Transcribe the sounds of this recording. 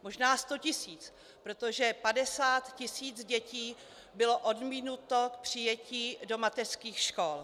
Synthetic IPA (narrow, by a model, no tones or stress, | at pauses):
moʒnaːst̪o̞cɪsiːt͡s | pɾo̞t̪oʒɛpadɛsaːt̪cɪsiːt͡sɟɛciː | bɪlo̞ʔodmiːnut̪o̞k̚pr̝̥ɪjɛciːdo̞mat̪ɛr̥skiːxʃkol